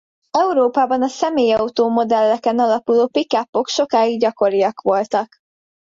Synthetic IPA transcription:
ɛuɾoːpaːbɒnɒsɛmeːjɒut̪oːmo̞d̪ɛlːɛkɛnɒlɒkuloːpikapːo̞kʃo̞kaːjiɡɟɒko̞ɾijɒkʋo̞lt̪ɒk

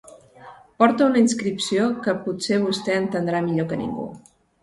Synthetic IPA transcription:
pɔɾt̪əunəinskɾipsiokəpuseβ̞ust̪ɛənt̪ənd̪ɾamiʎokənḭŋɡṵ

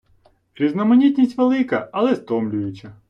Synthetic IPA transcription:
pɾʲiznɐmɐnʲit̪ʲnʲisʲtʲʋelˠɪkɐɐlˠɛst̪ɔmlʲʊʋʲɪt͡ʃɐ

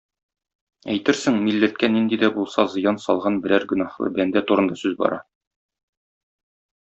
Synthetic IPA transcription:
æ̰jt̪ɘɾsɘŋmilːæt̪̚kænind̪id̪æbulˠsɑzɤ̆jɑnsɒlˠʁɑnbɘ̆læɾɡɵ̆nɑχlˠɤ̰bænd̪æt̪uɾɤ̆nd̪ɑsʉzbɒ̰ɾʔɑ

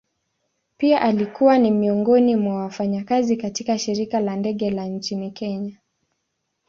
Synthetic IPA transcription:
piaʔalikuwanimiɔŋɡɔnimwawafaɲakazikatikaʃiɾikalandɛɠɛlan̩t͡ʃinikɛɲa

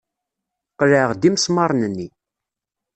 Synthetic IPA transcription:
qləʕʁd̪imsmɑɾˤnənːi

